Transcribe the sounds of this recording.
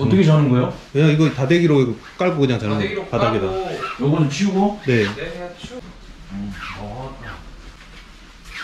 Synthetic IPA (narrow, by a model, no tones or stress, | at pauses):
ʌtt͈ʌkʰet͡ɕanɯnɡʌjokɯɲaŋiɡʌtadeɡiɾoiɡo | k͈aɭk͈okɯɲaŋt͡ɕanɯŋpadaɡedajoɡʌnɯt͡ɕʰiuɡone̞